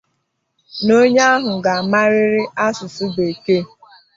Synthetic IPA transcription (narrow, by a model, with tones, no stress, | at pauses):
no˦ɲe˦a˦ɦʊ˨ɡa˨a˨ma˦ɾɪ˦ɾɪ˦ʔa˦sʊ˨sʊ˦be˨ke˦˨